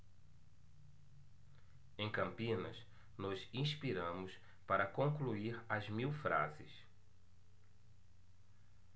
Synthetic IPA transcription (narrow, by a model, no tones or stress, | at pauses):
ẽj̃kɐ̃mpĩnɐs | nɔzĩʃpiɾɐ̃mʊs | paɾɐkõŋkluiɾɐzmiwfɾa̰zɪs